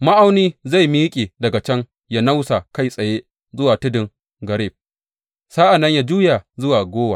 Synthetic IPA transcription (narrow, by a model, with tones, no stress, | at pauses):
ma˦ʔa˦wniː˦za˦˨jmi˦kʲʼiː˨dɐ˨ɡa˨t͡ʃɐ˦ŋ | ja˦na˦wsa˨ka˦˨jsʼɐ˨jeː˦ | zʊ˦waː˨tʊ˦dɪ˨ŋ | ɡɐ˨ɾi˦˨b̚ | saː˦ʔa˨nːɐ˦ɲja˦d͡ʒuː˦ja˨zʊ˦waː˨ɡʷoː˦wa˨